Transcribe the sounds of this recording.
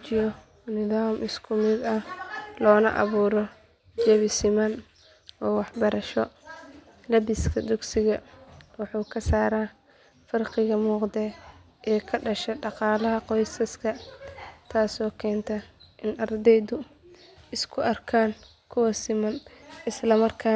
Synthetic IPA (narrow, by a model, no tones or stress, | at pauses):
t͡ʃɪjɔ | nɪðaːmʔɪskʰʊmɪd̪ɐlɔːnɐ̰ʔɑ̰βuːɾɔ | d͡ʒɛβɪsɪmɐn | ɔːwɑħbɐɾɐʃɔ | lɐbɪskʰɐd̪ʊɡsɪɣɐwɑħuːkʰɐsaːɾaː | fɐrqɪɣɐmuːqd̪ɛ | ʔɛːkʰɐɖɐʃɛɖɑqɑːlɐɦɐqɔjsɐskʰɐ | t̪ʰaːsɔːkʰɛːnt̪ʰɐʔɪnɐrd̪ɛjd̪ʊ | ɪskʰʊʔɐrkʰaːn | kʰʊwɐsɪmɐnɪslɐmɐrkʰaː